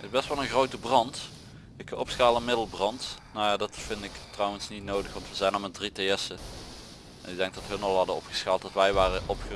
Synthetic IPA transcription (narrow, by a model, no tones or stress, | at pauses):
tɪzbɛstʋɑlˠənɣrowtəbrɑnt | ɪkɔpsxaːlˠənmɪdəl̩ˠbrɑntnojaːdɑtfɪndɪktrɔwənsnitnowdəxʋɑntʋəzɛjnɑlˠmɛt̚dritejɛsə | ɛnɪɡ̚dɛŋɡ̚dɑtɦɵnɑlˠɦɑdəɔpχə̥sxaːlˠtdɑtʋɛjʋaːrəʔɔpxə